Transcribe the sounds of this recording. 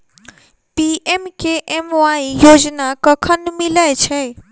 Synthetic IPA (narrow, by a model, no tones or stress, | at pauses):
piemkeʔemʋaijoːd͡ʒnakəkʰənmiləjt͡ʃʰẽ